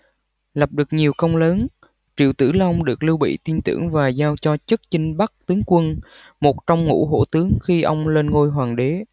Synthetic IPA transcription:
la˨˩p̚ɗɨ˨˩ək̚ɲi˨˩əwkə˧wŋ͡mləː˨˦n | t͡ɕḭ˧˨əwt̪ɨ̰˧˩la˧wŋ͡mɗɨ˨˩ək̚lɨ˧wɓḭ˧˨t̪i˧nt̪ɨ̰˧˩əŋvaː˨˩zaː˧wt͡ɕɔ˧t͡ɕɨ˦˥k̚t͡ɕï˧ŋ̟ɓa˦˥k̚t̪ɨ˨˦ŋkwə˧n | mo˨˩t̚t͡ɕɔ˧wŋ͡mŋṵ˧˥ɦo̰˧˥t̪ɨ˨˦əŋxi˧ʔə˧wŋ͡mle˧nŋo˧jɦwaː˨˩ŋɗe˨˦

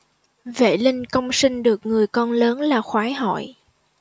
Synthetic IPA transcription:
vḛ˧˩˨lï˧ŋ̟kə˧wŋ͡msï˧ŋ̟ɗɨ˨˩ək̚ŋɨ˨˩əjkɔ˧nləː˨˦nlaː˨˩xwaː˨˦jɦɔ̰˧˨j

